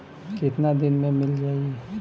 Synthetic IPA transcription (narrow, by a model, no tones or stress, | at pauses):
kɪt̪nad̪ɪnmẽmɪld͡ʒaːiɛ